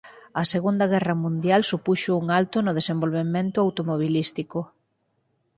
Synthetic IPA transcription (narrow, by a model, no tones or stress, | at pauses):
ɐseɣund̪ɐɣ̞ɛrɐmũnd̪jalsupuʃouŋalt̪ʊnʊð̞esembolβemẽnt̪ʊawt̪omoβ̞ilist̪iko